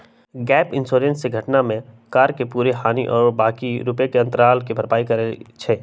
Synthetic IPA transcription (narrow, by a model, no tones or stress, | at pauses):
ɡɛːpɪ̃nsoːɾẽnseɡʱɐʈnamẽ | kaːɾkepuːɾeɦaːniʔɔːɾbaːkiɾʊpjekeɐ̃nt̪əɾaːlkibʱəɾpaːikɐɾet͡ʃʰeː